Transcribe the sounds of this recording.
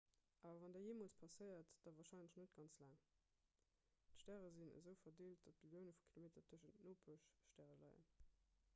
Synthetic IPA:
ʔaːvɐvɑndɛːɐjeːmoːlt͡spʰɑsɜɪɐtd̥ɑvɑːɐʃɑɪnləʃnət̚ɡ̥ɑnt͡slaːŋ | tʃtæːʁəzinə̰zəʊfɐdeːlt̚d̥ɑt̚b̥ələʊnəfu̥kʰilomeːtɐtʰəʃəntnoːpʰuəʃʃtæːʁəlɑ̰ɪə̰n

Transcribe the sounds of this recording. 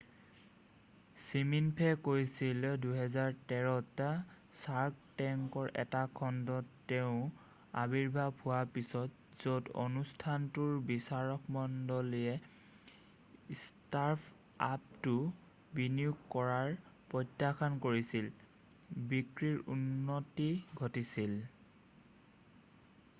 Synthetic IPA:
siminpʰɛkoɹisilduɦɛzaɹtɛɹɔta | saɹk̚tɛŋkɔɹʔɛ̰takʰɔndɔtːɛʊ̃ | a̰biɹbʱapʰuwapisɔt | z̥odo̰nustʰantuɹbisaɹɔkmɔndɔliɛ | staɹpʰ | ap̚tʊ | binijuɡkɔɹaɹpɔjtːakʰɔnkoɹisil | bikɹiɹunːotiɡʱɔtisil

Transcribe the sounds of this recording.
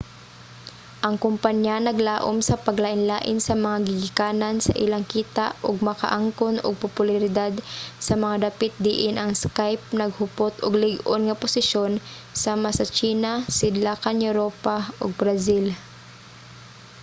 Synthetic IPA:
ʔɐŋkʊmpaɲjanɐɡlaːʔomsɐpɐɡlaːʔɪnlaːʔɪnsɐmɐŋaɡɪɡɪkaːnɐnsɐ̰ʔɪlaŋkiːt̪aʔʔoɡ̚mɐka̰ʔaŋkonʔo̰ɡ̚pʊpʊlaɾɪd̪ad̪sɐmɐŋad̪apɪt̪̚d̪iʔɪnʔɐŋskajp̚nɐɡ̚hʊpot̪ʔoɡlɪɡʔonŋɐpʊsɪʃo̞n | samasɐt͡ʃiːnasɪd̪laːkanjɛɾoːpaʔo̰ɡ̚bɾazil

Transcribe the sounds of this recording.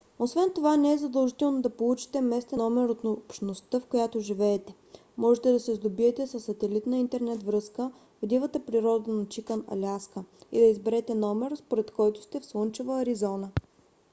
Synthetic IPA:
osvɛnt̪ovanɛɛzɐd̪əlˠʒit̪ɛlˠnod̪ɐpolˠut͡ʃi̥t̪ɛmɛst̪ɛnɔmɛɾot̪npʃnost̪əfkojat̪oʒivɛːt̪ɛ | mɔʒɛt̪ɛd̪ɐsɛzd̪obiɛt̪ɛsəsːɐt̪ɛlit̪nəint̪ɛɾnɛt̪vɾɤskə | vod̪ivət̪əpɾiɾɔd̪ənɐt͡ʃikənɐ̰lʲaskəḭd̪ɐizbɛɾɛt̪ɛnɔmɛɾspoɾɛt̪kɔjt̪ʊ̥st̪ɛfslɤnt͡ʃɛvəːɾizɔnə

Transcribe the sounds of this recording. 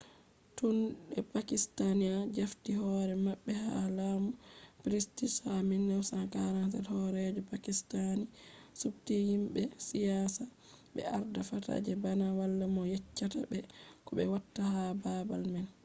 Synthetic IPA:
tunɗɛpakistaniad͡ʒaftiɦɔɾɛmaɓːɛha̰laːmupɾistisaminːɛwsankaɾantalhɔɾɛd͡ʒɔpakistanisub̚tihimbɛsijasa | bɛ̰aɾdafata̰d͡ʒɛbanawalːamɔjɛt͡ʃːata̰bɛkɔbɛwatːahababalmɛn

